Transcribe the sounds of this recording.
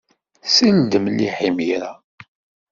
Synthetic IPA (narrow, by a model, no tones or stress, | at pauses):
sild̪əmliħimiɾa